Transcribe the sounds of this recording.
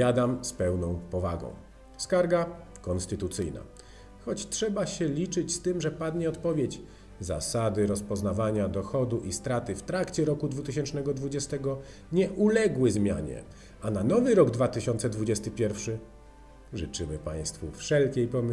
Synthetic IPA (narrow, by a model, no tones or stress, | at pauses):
jad̪amspɛwnɔ̃w̃pɔvaɡɔ̰̃w̃ | skaɾɡa | kɔnst̪ɘt̪ut̪sɘjna̰ | xɔt͡ɕtʂɛbaɕɛlʲit͡ʂɘt͡ɕst̪ɘmʐɛpad̪ɲɛɔt̪pɔvʲjed͡ʑ | za̰sad̪ɘɾɔspɔznavaɲad̪ɔxɔd̪uʔist̪ɾat̪ɘft̪ɾakt͡ɕɛɾɔkud̪vut̪ɘɕɛnt͡ʂnɛɡɔd̪vud͡ʑɛst̪ɛɡɔ | ɲɛʔulɛɡwɘzmʲja̰ɲɛ̰ | ananɔvɘɾɔɡd̪vat̪ɘɕɔnt̪sɛd̪vud͡ʑɛst̪ɘpʲjɛɾfʂɘ | ʐɘt͡ʂɘmɘpa̰j̃st̪fufʂɛlkʲejpɔm